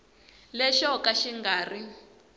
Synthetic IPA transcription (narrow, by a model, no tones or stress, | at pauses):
lɛʃɔkaʃiŋɡaːri